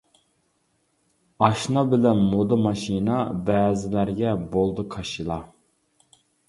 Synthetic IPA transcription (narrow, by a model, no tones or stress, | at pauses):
ɑʃnɑbɪlɛnmod̪ɑmɑʃinɑbɛːzɪlæɾɡʲɛbolˠd̪ukʰɑʃilˠɑ